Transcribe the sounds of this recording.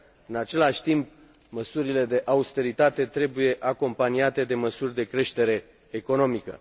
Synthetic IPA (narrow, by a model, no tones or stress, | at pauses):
ɨnat͡ʃe̞laʃʲt̪imp | məsuɾile̞d̪e̞ʔaust̪e̞ɾit̪at̪e̞t̪ɾe̞buje̞ʔako̞mpaniat̪e̞d̪e̞məsurʲd̪e̞kɾe̞ʃt̪e̞ɾe̞ː | ko̞no̞mikə̰